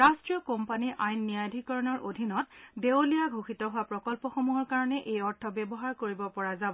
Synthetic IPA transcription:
ɹastɹijɔkɔmpaniʔajnːijadʱikɔɹɔnɔɹʔodʱinɔtdewlijaɡʱoxitɔɦʊapɹɔkɔlpɔxomuɦɔɹkaɹɔnɛʔejɔɹtʰɔbɛbɔɦaɹkoɹibɔpɔɹazabɔ

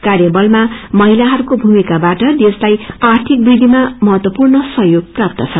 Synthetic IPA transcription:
karjabʌlmamʌɦilaɦʌɾukobʱumikabaʈʌd̪eslajart̪ʰik̚brid̪ʱimamʌɦʌt̪wʌpurnʌsʌɦjoɡ̚prap̚t̪ʌt͡sʰʌ

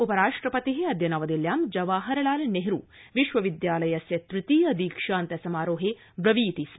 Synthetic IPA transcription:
upɐɾaːʂʈɾɐpɐt̪iɦeɐd̪jɐnɐʋɐd̪iljaːmd͡ʒɐʋaːɦɐɾɐlaːlɐneɦɾuːʋiʃʋɐʋid̪jaːlɐjɐsjɐt̪ɾɪt̪iːɐd̪iːkʂaːnt̪ɐsɐmaːɾoːɦe | bɾɐʋiːt̪iːs

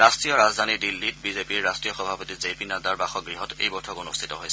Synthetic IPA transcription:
ɹastɹijɔɹazd̪ʱanidilːit̚bizepiɹːastɹijɔxɔbʱapotizepinadaɹbaxɔɡɹiɦɔtḛjbɔtʰɔkunustʰitɔɦojsɛ

